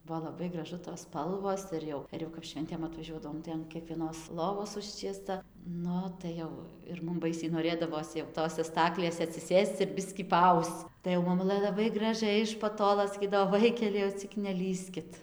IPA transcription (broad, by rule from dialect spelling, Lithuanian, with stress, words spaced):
ˈbʊʋoː lˠɐˈbɐɪ ɡrɐˈʒʊ toːs ˈspɐlˠʋoːs ˈɪr jɛʊ ɪr jɛʊ kɐp ˈʃʲʋʲɛnʲtʲeːm ɐtʋɐˈʒʲuɔdɐʋoːm tɐɪ ɐn kʲiɛkʋʲiɛˈnoːs lˠoːˈʋoːs ˈʊʃʲt͡ʃʲiɛstɐ ˈnʊ tɐɪ ˈjɛʊ ɪr ˈmʊm ˈbɐɪsʲɛɪ noːˈrʲeːdɐʋoːs jɛʊ ˈtoːsʲɛ ˈstɑːklʲeːsʲɛ ɐtʲsʲɪˈsʲeːst͡s ɪr ˈbʲɪsʲkʲiː pɐˈɐʊst͡s tɐɪ jɛʊ mɐˈmʊlˠɘ lˠɐˈbɐɪ ɡrɐˈʒʲɛɪ ɪʃ pɐˈtoːlˠoː sɐˈkʲiːdɐʋoː ˈʋɐɪkʲɛlʲɛɪ jɛʊ ˈt͡sʲɪk nʲɛˈlʲiːsʲkʲɪt